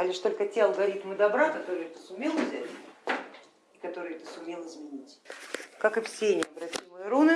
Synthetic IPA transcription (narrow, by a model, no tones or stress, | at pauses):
ɐlʲɪʂt̪o̞lʲkətʲeɐlˠɡɐɾʲit̪mɨd̪ɐbɾakɐt̪o̞ɾɨjɛt̪əsʊmʲe̞lˠvzʲætʲ | ikɐt̪o̞ɾɨjɛt̪əsʊmʲe̞lˠɨzmʲɪnʲitʲkakɨfsʲenʲɪəɐbɾɐtʲimɨjəɾunɨ